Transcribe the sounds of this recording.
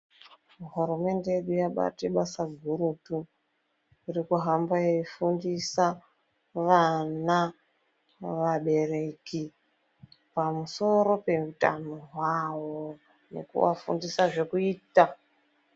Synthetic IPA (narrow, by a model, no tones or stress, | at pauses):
ɦuɾume̞nde̞jeɗujaɓa̰teɓasaɡʱuɾutu | iɾikuɦambajeifundisa | ʋana | ʋaɓe̞re̞ki | pamuso̞ɾo̞pe̞uta̰noɦwawo | ne̞̰kṵʋafṵndisaʐe̞kuiːta